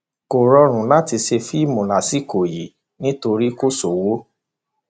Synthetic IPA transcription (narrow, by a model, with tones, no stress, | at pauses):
ko˨ɾɔ˧ɾ̃ũ˨la˦ti˧ʃe˧fi˦mũ˨la˨si˨˦ko˨ji˨˦ | nĩ˦to˧ɾi˦ko˦so˨wo˦